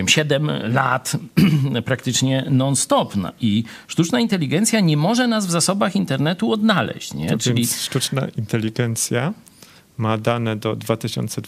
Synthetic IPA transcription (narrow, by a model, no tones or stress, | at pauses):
mɕɛd̪ɛmlat̪ | pɾak̚t̪ɘt͡ʂɲɛnɔnst̪ɔpna̰ʔi | ʂt̪ut͡ʂnaint̪ɛlʲːiɡɛnt̪sʲjaɲɛmɔʐɛnazvzasɔbaxint̪ɛɾnɛt̪uɔd̪nalɛ̰ɕt͡ɕɲɛt͡ʂɘnlʲiʂt̪ut͡ʂna̰int̪ɛlʲːiɡɛnt̪sʲja | mad̪anɛd̪ɔd̪vat̪ɘɕɔ̰nt̪sɛ